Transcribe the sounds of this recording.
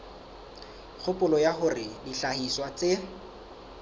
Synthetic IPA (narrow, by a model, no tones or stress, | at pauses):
k͡xʰʊpʊlɔjaχʊrɪdiɬahiswat͡se